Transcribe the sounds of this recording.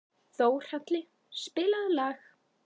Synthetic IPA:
θoːwr̥at̪lɪ | spɪːlaðlɛx

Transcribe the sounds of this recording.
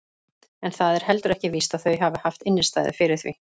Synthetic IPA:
ɛnθaðɛɾ̥hɛl̪t̪ʏɾɛhcɪviːst̪aðθœɥɦaːvɪhaft̪ɪnːɪst̪a̰ːjðɪ̰fɪɾɪɾ̥θvḭ

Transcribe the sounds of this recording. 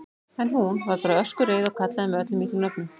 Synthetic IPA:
ɛnɦunvaɾpaːɾaœskʏɾreːjðɔɣkʰat̪laðɪmœːt̪ɪmiːt̪ɪmnœpnʏ

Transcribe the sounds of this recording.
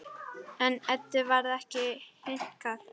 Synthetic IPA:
ɛnɛt̪ːɪvaɾðɛhcɪhɪn̥kaθ

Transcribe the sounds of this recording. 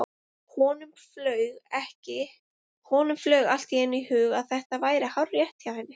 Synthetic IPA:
hɔːnʏmflœːɥɣɛhcɪ | hɔːnʏmflœɥɣal̥t̪iɛnihʏːɣaðθɛht̪avaːjɾɪhawrːjɛht̪jawhajnːɪ

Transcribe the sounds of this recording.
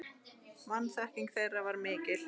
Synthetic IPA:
mansahkciŋkθejravaɾmɪːcɪl̥

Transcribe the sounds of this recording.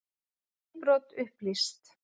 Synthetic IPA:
pɾɔt̪ʏhplist̪

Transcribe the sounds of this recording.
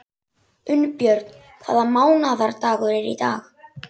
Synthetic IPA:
ʏnpjœɾt̪n | kʰva̰ːðamaːwnaðaɾt̪aːɣʏɾɛɾḭt̪aːx

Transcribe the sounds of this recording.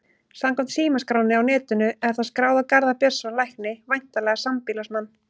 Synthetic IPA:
samkɔm̥t̪siːmaskɾaːwnɪawnɛːt̪ʏnʏɛɾ̥θaðskɾaːwðakaɾðapjœ̥sanlajhknɪvajn̥t̪alɛɣasampilasmanː

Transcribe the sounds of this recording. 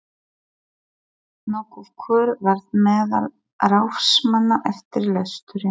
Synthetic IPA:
nɔːkɔv̥kʰœːɾvaɾðmɛːða̰l | rawfsmanːaʔɛft̪ɪɾlɛst̪ʏɾɪ

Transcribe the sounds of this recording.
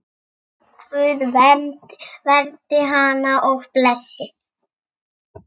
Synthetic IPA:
kʰvʏːðvɛmt̪vɛɾt̪ɪɦanaʔɔɣplɛsːɪ

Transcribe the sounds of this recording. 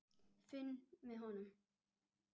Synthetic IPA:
fenmeɦɔnə

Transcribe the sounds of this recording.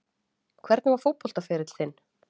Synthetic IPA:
kʰvɛɾt̪nɪvaɾ̥fowpːɔl̥t̪afɪɾɪt̪θɪnː

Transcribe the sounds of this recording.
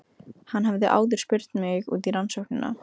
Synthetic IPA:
hanːɦavðɪʔa̰ːwðɪɾ̥spɪr̥t̪mɪɣṵːt̪iɾansɔwhknɪna̰

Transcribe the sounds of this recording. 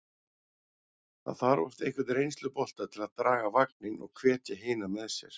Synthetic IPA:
θa̰ðθaɾvɔ̰st̪ehkvɪt̪rejnst̪lʏpɔl̥t̪at̪ʰɪlaðt̪ɾaːɣavak̚nɪnɔ̰ɣkʰvɛːt̪jaɦeːnamɛɛsjɛ̰ɾ̥

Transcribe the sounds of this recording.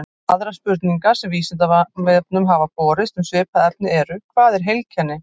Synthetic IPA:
aðɾaspʏɾt̪niŋkḁsɛmviːsɪt̪̬avvɪðp̪̚nʏmɦaːvapɔːɾɪst̪ʏmsvɪːpaðɛt̪nɪɛɾʏkʰv̥aːðɛɾ̥ɦejlcʰɛnːɪ

